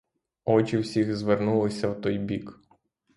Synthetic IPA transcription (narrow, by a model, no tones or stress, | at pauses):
ɔt͡ʃʲiwsʲiɣzʋernulˠɪsʲɐwt̪ɔjbʲik